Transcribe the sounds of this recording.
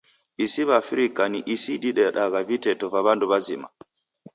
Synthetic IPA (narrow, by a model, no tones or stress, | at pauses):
ʔisiβafiɾikːaniʔisiɗiɗɛɗaɡavitɛtɔvaβanduβazima̰